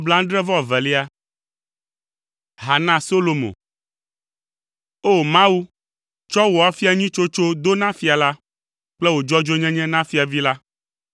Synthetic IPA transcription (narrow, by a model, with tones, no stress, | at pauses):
bla˦ŋ̩˦ɖɾɛ˦vɔ˦a˨vɛ˨li˦a˦ | ɦa˨nã˦so˦lo˨mõ̰˨ | o˦mã˦wu˦ | t͡ʃɔ˦wɔ˨a˨˦fi˦a˨ɲĩ˦t͡ʃo˦t͡ʃo˦d̪o˦nã˦fi˦a˨la˦ | k͡plɛ˦wo˨d͡ʒɔ˦d͡ʒo˦ɲɛ̃˦ɲɛ̃˦nã˦fi˦a˨vi˦la˦